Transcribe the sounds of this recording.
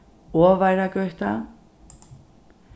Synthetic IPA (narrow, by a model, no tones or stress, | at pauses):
ɔːvajɾakœɥht̪a